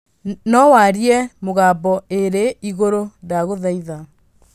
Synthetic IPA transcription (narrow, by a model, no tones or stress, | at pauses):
nɔwaɾiɛmoɣabɔeɾeiɣoɾodaɣoðaiða